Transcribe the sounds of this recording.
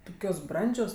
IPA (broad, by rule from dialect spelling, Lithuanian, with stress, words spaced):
ˈtʊkʲoːs ˈbrɐnʲd͡ʒʲoːs